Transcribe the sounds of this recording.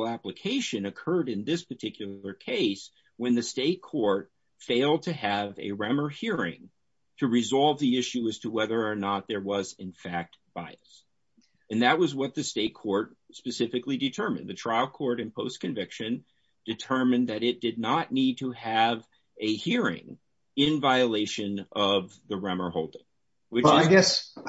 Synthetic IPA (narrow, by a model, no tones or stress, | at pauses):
l̩ˠæpləkʰeɪʃɨ̃nɨkʰɜ˞ɾɨ̃nðɪspʰə˞tʰɪkʰjl̩ˠə˞kʰeɪs | wə̃nðɨsteɪt̚kʰɔɹt̚ | feɪlˠd̚tʰɨɨvɨ̰ɹɛmə˞hiɹɪ̰̃ŋ | tʰɨɹɨzɑlˠvðiɪʃʉɨz̥tʰəwɛðə˞ːnət̪̚ðə˞wʌzɨ̃nfæk̚t̚b̥aɪɨs | ɨ̃nðɨt̚wʌzwʌt̪̚ðɨsteɪt̚kʰɔɹt̚spɨsɪfɨklidɨtʰɜ˞mɨ̰̃nðɨtʰɹ̥aɪl̚ˠkʰɔɹɾɨ̃npʰoʊskɨ̃ɱvɪkʃɨ̃n | d̥ɨtʰɜ˞mɨ̃nðɨɾɪt̚d̥ɨdⁿnətⁿnid̚tʰəɨv | ɨhiɹɪ̰̃ŋ | ɪ̃nvaɪɨleɪʃɨ̃nʌvðɨɹɛmə˞ɦoʊlˠdɪ̃ŋ | wɨaɪɡɛs